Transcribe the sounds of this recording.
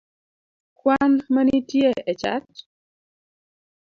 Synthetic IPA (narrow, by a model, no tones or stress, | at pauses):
kwanmanitjeet͡ʃa̰t